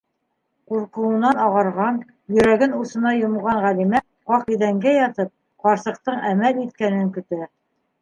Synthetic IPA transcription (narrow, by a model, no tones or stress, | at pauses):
quɾqɤ̆ɤ̆nɑnɑʁɑɾʁɑn | jɵ̆ɾæɡɘnusɤ̆nɑjŏmʁɑɴʁælimæ | qɑqiðæŋɡæjɑt̪ɤp̚ | qɑɾsɤ̆q̚t̪ɤɴæmælit̪̚kænɘŋkɵ̆t̪æ